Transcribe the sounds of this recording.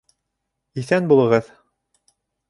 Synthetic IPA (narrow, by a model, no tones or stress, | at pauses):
iθænbulˠɤ̆ʁɤð